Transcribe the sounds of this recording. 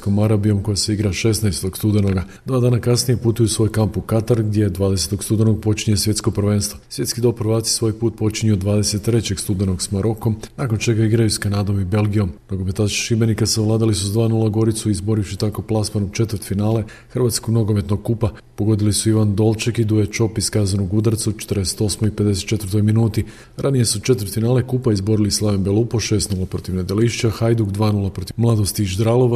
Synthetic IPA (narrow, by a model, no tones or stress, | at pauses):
ko̞maɾabijo̞mko̞jaseiɡɾaʃe̞snaest̪o̞ɡst̪ud̪eno̞ɡa | d̪ʋaːd̪aːnakasnije̞put̪ujusʋo̞jkampukat̪aɾɡ̚d̪je̞d̪ʋaːd̪e̞se̞t̪o̞ɡst̪ud̪eno̞ɡ̚po̞t͡ʃiɲe̞sʋje̞t̪sko̞pr̩ʋe̞ːnst̪ʋosʋje̞t̪skid̪o̞pɾʋaːt̪si̥sʋo̞ːjpuːt̪̚po̞t͡ʃiɲiud̪ʋaːd̪e̞se̞t̪ːɾe̞t͡ɕe̞ɡst̪ud̪eno̞ɡsmaɾo̞ko̞mnaːko̞nt͡ʃe̞ɡaiɡɾajuskanaːd̪o̞mibe̞lˠɡijo̞mnoɡo̞me̞t̪ḁʃibe̞nikasaʋlˠaːd̪alisuzad̪ʋaːnulˠaɡo̞ɾit̪suizbo̞ɾiɕit̪ako̞plˠasmanot͡ʃe̞t̪əɾt̪finaːle̞ | xrʋat̪skoɡno̞ɡo̞me̞t̪noɡkːupa | po̞ɡo̞d̪ilisuiʋand̪o̞lˠt͡ʃakid̪ujet͡ʃo̞piskazanuɡud̪aɾt̪sut͡ʃe̥t̪ɾd̪ese̥t̪o̞smoipe̞d̪eset̪t͡ʃet̪vəɾt̪o̞jminuːt̪i | ɾʔanije̞sut͡ʃe̞t̪vɾt̪finaːle̞kupaizbo̞ɾilislˠaʋembelˠupoʃe̞st̪nulapɾo̞t̪iʋnad̪eliʃt͡ʃaxajd̪uɡd̪ʋaːnulˠapɾot̪imlˠad̪ost̪iʒd̪ɾalˠoʋa